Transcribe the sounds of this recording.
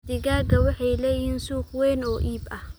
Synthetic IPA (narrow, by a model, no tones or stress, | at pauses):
d̪ɪɡaːɡɐwɪħɑjlɛːjɪnsuːxwɛːnɔːʔiːbʔɐh